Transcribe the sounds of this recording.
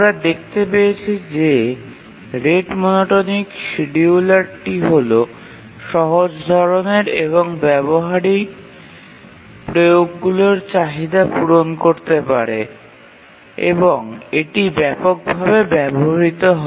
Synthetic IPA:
ɾad̪ek̚ʰt̪epejet͡ɕʰid͡ʑe | ɾeɖmɔnoʈonikʃiɖiulaɾʈiɦolo | ʃɔɦod͡ʑd̪ʱɔɾoneɾeβoŋbɛboɦaɾik | pɾojoɡːuloɾt͡ɕaɦid̪apuɾonkoɾt̪epaɾe | ḛboŋeʈibɛpok̚bʱabebɛboɦaɾit̪oɦɔ

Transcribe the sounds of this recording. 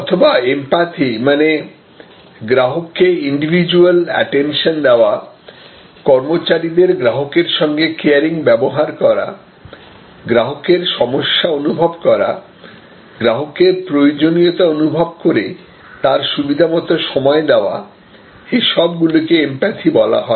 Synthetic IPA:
ɔt̪ʰobaempat̪ʰimane | ɡɾaɦokːeiɳɖibʱid͡ʑualɛ̰ʈenʃond̪eoa | kɔɾmot͡ɕaɾid̪eɾɡɾaɦokeɾʃɔŋɡekeaɾiŋbɛboɦaɾkɔɾa̰ | ɡɾaɦokeɾʃɔmoʃːaonubʱobkɔɾa̰ | ɡɾaɦokeɾpɾojod͡ʑonijot̪aonubʱob̚koɾe | t̪aɾʃubid̪ʱamɔt̪oʃɔmɔed̪eoa̰ | eʃɔbɡulokeempat̪ʰibɔla̰ɦɔe

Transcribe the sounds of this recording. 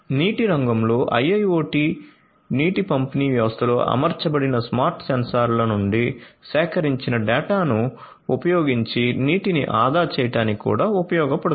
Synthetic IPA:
niːʈiɾɐŋɡɐmlo̞ːʔɐjɐjoːʈi | niːʈipɐmpiniːʋjɐʋɐst̪ʰɐlo̞̰ːʔɐ̰mɐɾt͡ʃɐbɐɽinɐsmaːɾʈsɐnsaːɾlɐnuɳɖiʃɛːkɐɾiɲt͡ʃinɐɖɛːʈaːnu | upɐjoːɡiɲt͡ʃiniːʈinḭʔaːd̪aːt͡ʃɛːjɐʈaːnikṵːɽaːupɐjɔːɡɐpɐɽu

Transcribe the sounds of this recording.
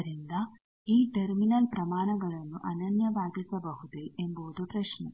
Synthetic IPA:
ɾind̪ɐ | iːʈɐɾminɐlpɾɐmaːnɐɡɐɭɐnːuʔɐnɐnjɐbaːɡisɐbɐɦud̪ejʔemboːd̪upɾɐʃnɐ̰

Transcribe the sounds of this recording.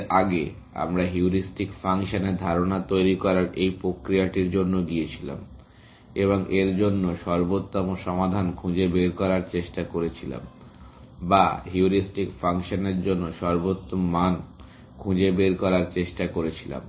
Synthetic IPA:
ʔaɡḛ | a̰mɾaɦiuɾisʈikfaŋʃoneɾd̪ʱaɾonat̪ojɾikɔɾaɾejpɾokɾijaʈiɾd͡ʑonːoɡiet͡ɕʰila̰m | eboŋʔeɾd͡ʑonːoʃɔɾbot̪ːomoʃɔmad̪ʱankʰũd͡ʑebeɾkɔɾaɾt͡ɕeʃʈakoɾet͡ɕʰila̰m | baɦiuɾisʈikfaŋʃoneɾd͡ʑonːoʃɔɾbot̪ːomːan | kʰũd͡ʑebeɾkɔɾaɾt͡ɕeʃʈakoɾet͡ɕʰila̰m

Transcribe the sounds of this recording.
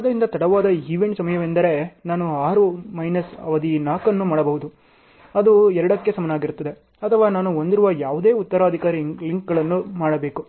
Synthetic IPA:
aːd̪ɐɾind̪ɐt̪ɐɽɐʋaːd̪ɐiʋe̞ɳʈsɐmɐjɐʋend̪ɐɾe̞naːnuaːɾumɐjnɐsɐ̰ʋɐd̪inaːkɐnːumaːɽɐbɐɦud̪u | ɐd̪uɛɾɐɽɐkːe̞sɐmɐnaːɡiɾut̪ːɐd̪e̞ | ɐt̪ʰɐʋaːnaːnuo̞nd̪iɾuʋɐjaːʋud̪e̞ːut̪ːɐɾaːd̪ʱikaːɾiliŋkɡɐɭɐnːumaːɽɐbe̞ːku

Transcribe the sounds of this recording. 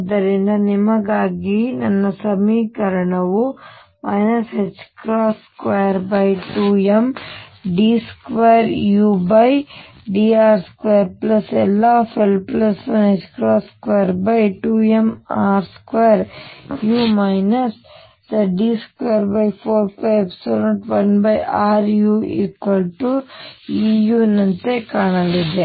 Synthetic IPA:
d̪ɐɾenɐnimɐɡaːɡinɐnːɐsɐmikɐɾɐnɐʋu | maːjnɐset͡ʃkɾaːskʋeːɾbaiʈuemɖiskʋeːɾjuːbaj | ɖiːaːɾskʋeːɾplɐselaːfʰilplɐsʋɐnet͡ʃkɾoːskʋeːɾbɐjʈuːemaːɾskʋeːɾjuːmɐjnɐs | d̪ɐɖiːskʋeɐɾbɐjpʰoːɾpɐjbsolɐɳʈʋɐnbɐjaːɾjuːḭːkʋɐlʈuijuːnɐnt̪ekaːɳɐlid̪e

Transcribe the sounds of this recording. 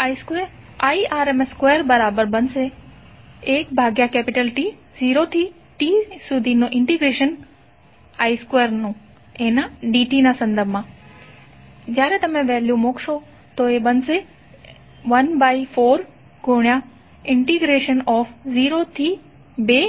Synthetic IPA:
aːiskeːɾ | aːiʔaːɾemeskweːəɾbɐɾaːbəɾbɐnse | eːk̚bʱaːɡjakɛːpɪʈəlʈi | ziːɾot̪ʰi | ʈiːsud̪ʱinõʔɪ̃ɳʈiɡɾeːʃən | aːiskweːɾnũ | ẽnaɖiːʈinãsɐ̃nd̪əɾbʱmãː | d͡ʑaːɾẽt̪ɐmẽʋɛːljũmoːkʃo | t̪oeɓɐnse | ʋɐnbaːifʰoːɾ | ɡʱoɽ̃ija | ɪ̃ɳʈiɡɾeːʃənɔːfziːɾot̪ʰi | beː

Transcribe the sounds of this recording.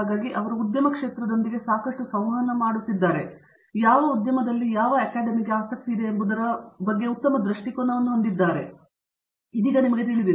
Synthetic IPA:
aːɡaːɡiʔɐʋɐɾuud̪jɐmɐkʂe̞ːt̪ɾɐd̪o̞nd̪iɡe̞saːkɐʂʈusɐwɐnːɐmaːɽut̪ːid̪ːaːɾe̞ | jaːʋɐud̪jɐmɐd̪ɐlːijaːʋɐɐkaːɖɐmiɡe̞aːsɐk̚t̪iːd̪e̞ːmbud̪ɐɾɐbɐɡːe̞ut̪ːɐmɐd̪ɾiʂʈikonːɐʋɐnːuɦond̪id̪ːaːɾe̞ | id̪iːɡɐnimɐɡe̞t̪̬iɭid̪iɾ

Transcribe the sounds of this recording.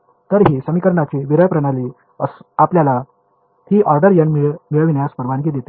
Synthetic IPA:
t̪əɾɦiːsəmikəɾɳat͡ɕiːʋiɾəjpɾəɽ̃aliː | əsapljala | hiːʔaɾɖəɾjənmiɭmiɭəʋinjaspəɾʋank̬iːd̪jet̪e

